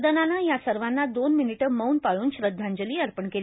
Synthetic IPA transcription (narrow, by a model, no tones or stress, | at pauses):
d̪ənanajasəɾʋanːad̪onminiʈəməwnpaɭuːnɕɾəd̪ʱːaɲd͡ʑəliːəɾpəɳkel